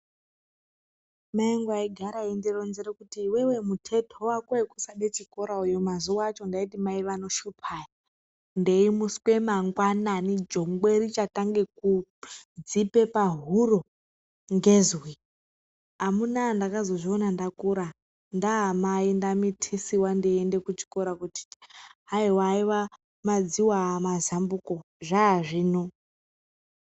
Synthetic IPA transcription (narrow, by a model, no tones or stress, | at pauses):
maeŋɡwaiɡʱaɾaindironziɾekutiːwe̞we̞mutʰe̞tʰowakwaekusaɗet͡ʃiko̞ɾaujomazuwat͡ʃo̞ndaitimaiʋano̞ʃupʰaja | ndeimuskwe̞maŋɡwananid͡ʒo̞ŋɡwerit͡ʃataŋɡekud͡zipe̞paɦuro | ŋɡezwi | ɦamunandakazo̞ʐionandakuɾa | ndaɦamaindamitʰisiwandiende̞kut͡ʃi̥koɾakuti̥ɦaiwaːiwa | mad͡ziwamazambuko̞ | ʐaːʐiːno